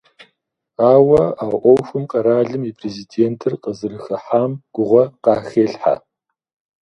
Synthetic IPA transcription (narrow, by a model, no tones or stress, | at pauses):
aːwɐaːʔʷɔwxʷɨmqɐɾaːɮɨmiːpʰreziːdeːntʰɨrqəzɨɾɨxɐħaːmɡ̥ʷʊʁʷɐqɑːxeːɬħa̰